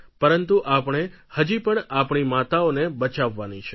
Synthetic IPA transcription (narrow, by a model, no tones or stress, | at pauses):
pəɾənt̪uʔapɳ̃ehəd͡ʒipəɳapɳ̃imat̪aonebət͡ʃaʋːanit͡ʃʰɛ